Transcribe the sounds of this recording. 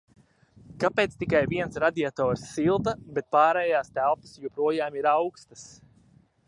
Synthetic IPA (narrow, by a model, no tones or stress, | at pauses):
kapeːt̪st̪ikajviɛnsɾad̪ʲiat̪ɔːɾsːilˠd̪abet̪̚paːɾɛːjaːst̪ælˠpḁsjupɾuɔjaːmiɾawkst̪əs